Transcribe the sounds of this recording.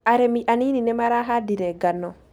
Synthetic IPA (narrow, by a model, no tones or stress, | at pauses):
ʔaɾɛmiʔaniːninɛmaɾaɦadiɾɛɡanːɔ